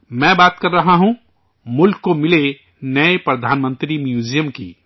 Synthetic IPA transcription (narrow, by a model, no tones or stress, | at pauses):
mɛ̃baːt̪kəɾːəɦaɦũ | mulkːomɪle | nəepɾəd̪ʱaːnmə̃nt̪ɾimjud͡ʒijəmkḭ